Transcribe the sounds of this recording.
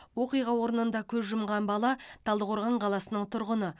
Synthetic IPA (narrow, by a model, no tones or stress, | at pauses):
wo̞qijʁɑwo̞ɾənənd̪ɑkʲʰɵzʒʊmʁɑnbɑlˠɑt̪ʰɑlˠd̪əqʰoɾʁɑɴqʰɑlˠɑsənəɴt̪ʰʊɾʁənə